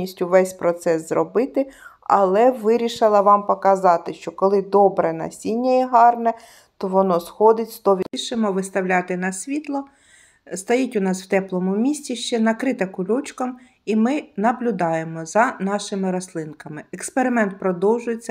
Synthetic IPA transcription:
isʲtʲʊʋɛsʲpɾɔt̪sɛszrɔbɪt̪ɪɐ̰lˠɛʋɪɾʲiʃɪlˠɐʋɑmpɔkɐzɑt̪ɪʃt͡ʃɔkɔlˠɪd̪ɔbɾɛnɐ̰sʲinʲːɐiɦɑrnɛ | t̪ɔʋɔnɔsxɔd̪ɪtʲst̪ɔʋʲʃɪmɔʋɪst̪ɐwlʲɑt̪ɪnɐsʲʋʲit̪lˠɔ | st̪ɐjɛtʲʊnɑsw̥t̪ɛplˠɔmʊmʲisʲt͡sʲiʃt͡ʃɛnɐkɾɪt̪ɛkʊlʲɔt͡ʃkɐm | imɪnɐblʲʊd̪ɑjemɔzɐnɑʃɪmɪɾɔslˠɪnkɐmɪekspeɾɪmɛnt̪̚pɾɔd̪ɔwʒʊjet͡sʲːɐ

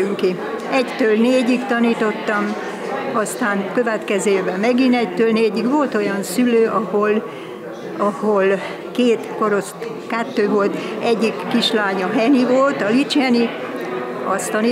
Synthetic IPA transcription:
ŋki | ɛct̪øːlneːɟikt̪ɒniːt̪o̞t̪ːɒm | ɒst̪aːnkøvɛt̪kɛzøːeːvɛmɛɡinɛct̪øːlneːɟikʋo̞lt̪o̞jɒnsyløːʔɒhol | ɒhol | keːt̪ko̞ɾo̞st̪ | kɛt̪ːøːvo̞lt̪ɛɟːikːiʃlaːɲɒɦɛnivolt̪ɒlit͡ʃhɛni | ɒst̪ɒni

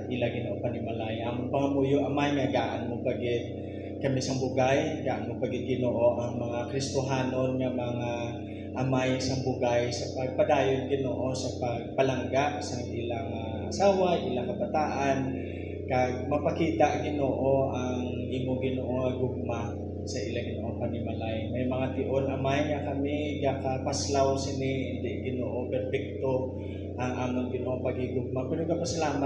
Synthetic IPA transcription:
t̪̚ʔɪlaɡɪnoʔopɐnɪmɐlajʔamʊnpɐŋɐmuːjʊʔɐmajŋaɡaːʔɐnmopɐɡɪd̪̚ | kɐmisɐŋbʊɡajɡaʔanmopɐɡɪt̪̚ɡɪnoːʔo̞ʔɐŋmɐŋakɾɪst̪ʊɦaːno̞nŋɐmɐŋa | ʔɐmajsɐŋbʊɡajsɐpɐɡ̚pɐd̪aːjonɡɪnoːʔosɐpɐɡ̚pɐlɐŋɡaʔsɐŋʔɪlaŋɐ | ʔɐsaːwajʔɪlaŋkɐbɐt̪aːʔan | kaɡ̚mɐpɐkiːt̪aʔɡɪnoːʔoʔɐ | ŋ | ʔiːmoɡɪnoːʔoŋɐɡʊɡ̚ma | sɐʔɪlaŋɡɪnoʔoŋpɐnɪmɐlajmɐjmɐŋat̪ɪʔonʔɐmajŋakɐmɪɡakɐpaslawsɪnɪɪnd̪ɛʔɡɪnoːʔopɛɾpɛk̚t̪o | ʔɐŋʔaːmoŋɡɪnoːʔoŋpɐɡɪɡʊɡ̚mapɛːɾoɡapɐsɐlaːma

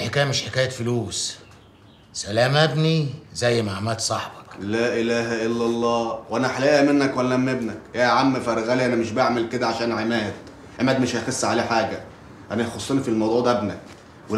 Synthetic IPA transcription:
ħekæːjæmeʃħekæːjæfʊluːs | sælæːmæbnizæjːmaʕmælt̪sˤɑħbɑklæːʔɪlæːɦæʔelːælˤːɑːwʔænæħalæːʔæmenːækwælælæmːebnækjæʕamːefæɾˤɣæːliʔænæmeʃ̬baʕmelked̪æʕaʃæːnʕemæːd̪̥̚ | ʕemæːd̪meʃhæxesˤːʕaleːħaːɡæ | ʔænæxosˤːeːnifilmɑwd̪ˤuːʕd̪ææbnæk | we

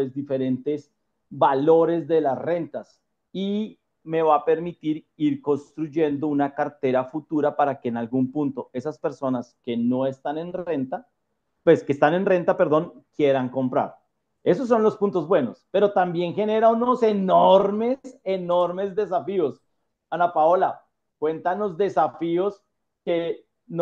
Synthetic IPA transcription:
ezd̪ife̞ɾe̞nt̪e̞s | balo̞ɾe̞zd̪e̞lasre̞nt̪as | i | me̞βape̞ɾmit̪iɾ | iɾko̞nst̪ɾuʝe̞nd̪o̞unakaɾt̪e̞ɾafut̪uɾapaɾake̞ːnalɡumpunt̪o̞e̞saspe̞ɾso̞naske̞no̞e̞st̪ane̞nre̞nt̪a | pwe̞skeːst̪ane̞nre̞nt̪ape̞ɾðo̞ŋkje̞ɾaŋko̞mpɾa̰ɾ | e̞so̞s̬ːo̞nlo̞spunt̪o̞zbwe̞no̞spe̞ɾo̞t̪ambje̞ŋxe̞ne̞ɾauno̞se̞noɾme̞se̞no̞ɾme̞zd̪e̞s̬afio̞s | anapao̞la | kwe̞nt̪ano̞zd̪e̞safio̞s | ke | n

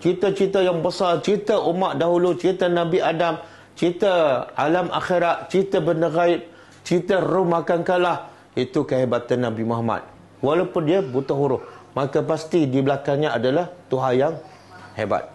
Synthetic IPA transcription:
t͡ʃit̪ət͡ʃit̪əjaŋbəsart͡ʃit̪əʔumaʔdaɦulut͡ʃit̪ənabiʔadam | t͡ʃit̪əalamʔa̰xeɾat̪̚t͡ʃit̪əbənəɡaɪp̚ | t͡ʃit̪ərʊhmakankalah | it̪ukəɦebat̪anːabimoɦama̰t̪̚ | walawpʊndiəbut̪aɦuɾʊhmakapast̪idibəlakaŋɲaadalaht̪uɦajaŋ | heba̰t̪̚

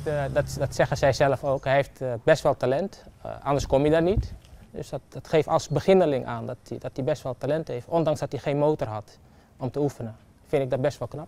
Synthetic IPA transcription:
dɔtdɔtsɛxəsɛjsɛləfoːkhɛɦeftbɛstʋɛlˠtalɛntʔɑndəskomidanitdø̰sdtɔtxeːftɑ̰lˠsbəxɪnəlɪŋʔa̰ːndɔtdɔtibɛstʋɛlˠtalɛntheːftɔndɑŋsdɔtixeːnmowtərɦɑt | ɔmtəufənə | fɪntɪɡdɔt̚bɛstʋɔlˠknap̚

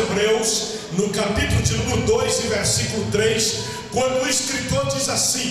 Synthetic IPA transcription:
bɾews | nʊkapit̪ulʊd͡ʒɪnũmɪɾʊd̪ojzɪ̃veɾsikʊlʊt̪ɾejs | kwɐ̃nd̪ʊeskɾit̪oɾd͡ʒizasĩ

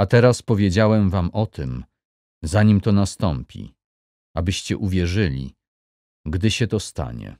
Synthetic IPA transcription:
at̪ɛɾaspɔvʲjed͡ʑawɛmvamɔt̪ʰɘm | zaɲimt̪ɔnast̪ɔmpʲḭ | abɘɕt͡ɕɛʔuvʲjɛʐɘlʲḭ | ɡd̪ɘɕɛt̪ɔst̪a̰ɲɛ̰

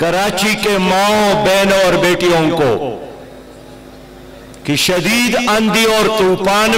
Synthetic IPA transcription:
kɐɾaːt͡ʃikemãːɦõbeːnɔːɾbeːʈijõːko̰ | kiʃɐd̪iːd̪ɐ̃nd̪iɔːɾt̪uːpaːn

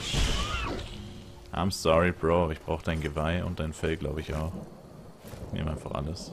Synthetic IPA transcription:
ʔa̰ɪ̃msɔɹib̥ʁoːɪçb̥ʁ̥aʊxəd̥aɪnɡəvaɪʊ̰nt̚d̥aɪnfɛlɡlaʊbəɪça̰ʊx | nḛːmʔaɪnfaχʔa̰ləs

